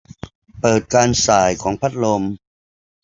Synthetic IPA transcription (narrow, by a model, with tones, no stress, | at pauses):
pɤː˨˩t̪̚kaː˧nsaː˨˩jkʰɔː˩˦ŋpʰa˦˥t̪̚lo˧m